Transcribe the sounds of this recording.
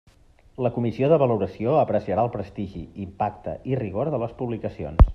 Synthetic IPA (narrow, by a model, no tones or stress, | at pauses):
ləkumisioðəβəluɾəsioəpɾəsiəɾaəlˠpɾəst̪iʒiimpakt̪ə̰iriɣ̞oɾðələspuβlikəsio̰ns